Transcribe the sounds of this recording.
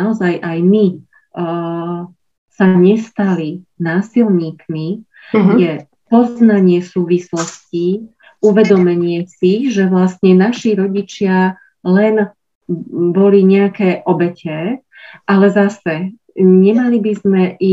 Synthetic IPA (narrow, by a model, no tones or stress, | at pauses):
naɔzajʔajmi | saɲɛst̪alinaːsilɲiːkmi | jɛ | pɔznaɲɪɛsuːʋislɔsci | uʋɛd̪ɔmɛɲɪɛsiʒɛʋlast̪ɲɛnaʃiɾɔɟit͡ʃɪa | lɛn | bɔliɲɛakɛːʔɔbɛcɛ | ʔalɛzasɛ | ɲɛmalibizmɛʔi